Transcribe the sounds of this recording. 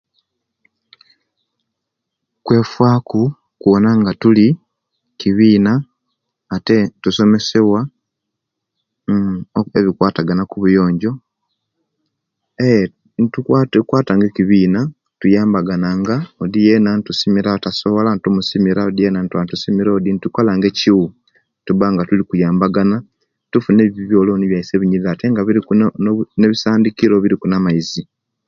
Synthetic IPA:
kwe̞ːfwaːku | kuβonaŋɡatuli | kiβiːnaː | tetuso̞me̞se̞βwa | eβikwaːtaɡanakuβujo̞ːɲɟo̞ | e | ntukwaːtaːŋɡekiβiːna | tujaːmbaɡanaŋɡaodijenantusimiɾaotasoβolantomusimiɾaodijenantwantusimiɾoodintukolaŋɡe̞ciwu | tuβaŋɡatulikujaːmbaɡana | tufuneβiβjo̞ːloniβjaise̞βiɲiðateŋɡaβiɾikuneβisaːndikiɾoβiɾikunamaizi

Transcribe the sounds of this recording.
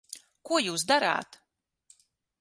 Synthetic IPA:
kuɔjuːsd̪aɾa̰ːt̪

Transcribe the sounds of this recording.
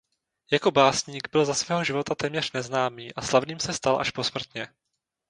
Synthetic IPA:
jako̞baːsɲiːɡbɪlzasvɛːɦoʒɪvo̞t̪at̪ɛːmɲɛr̥nɛznaːmiːʔaslavniːmsɛst̪alʔa̰ʃpo̞smr̩t̪ɲɛ

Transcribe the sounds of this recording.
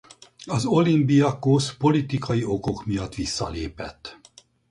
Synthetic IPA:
ɒzo̞limbijɒkospo̞lit̪ikɒjio̞ko̞kmijɒt̪ːʋisːɒ̰lḛːpɛ̰t̪ː

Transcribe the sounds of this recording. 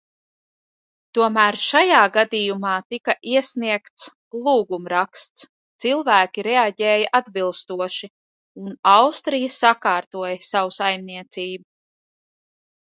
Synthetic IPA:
t̪uɔmæːɾʃajaːɡad̪ijumɑːt̪ikaʔiɛsniɛkt̪s | lˠuːɡumɾakst̪s | t̪silˠvæːkʲiɾɛaɟɛːjaʔad̪bilˠst̪uɔʃi | unawst̪ɾijɐsakɑːɾt̪uɔjɐsawusajmniɛt̪siːbu

